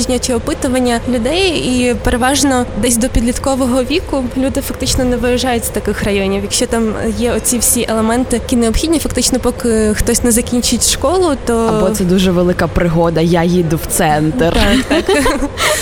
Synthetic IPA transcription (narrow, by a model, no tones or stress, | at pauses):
ʒnʲɐt͡ʃiɔpɪt̪ʊʋɐnʲːɐlʲʊd̪ɛjipeɾeʋɑʒnɔd̪ɛsʲd̪ɔpʲid̪lʲit̪kɔʋɔɦɔʋʲikʊlʲud̪ɪfɐkt̪ɪt͡ʃnɔnɛʋɪɾɐʒɑjʊtʲz̥t̪ɐkɪxrɐjɔnʲiwjɐkʃt͡ʃɔt̪ɑmjɛɔt͡sʲiwsʲiʔelˠemɛnt̪ɪkʲineɔpxʲid̪ʲnʲifɐkt̪ɪt͡ʃnɔpɔkɪxt̪ɔsʲnɛzɐkʲinʲt͡ʃɪtʲʃkɔlˠʊt̪ɔɐbɔsɛd̪uʒɛʋelˠɪkɐpɾɪɦɔd̪ɐjajid̪ʊw̥t̪sɛnt̪rt̪akt̪ɑk